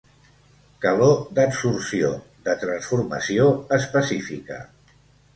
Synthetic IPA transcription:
kəlod̪əbsursio | ðət̪ɾənsfuɾmə̰sioəspəsifḭkə̰

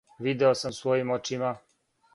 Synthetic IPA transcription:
ʋid̪eosamsʋojimot͡ʃima

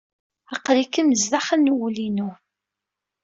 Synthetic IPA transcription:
ɑqlikəməzðaχənuwlinu

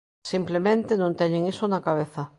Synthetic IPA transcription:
simplemẽnt̪enõnt̪ɛɲẽŋisonakaβ̞eθɐ

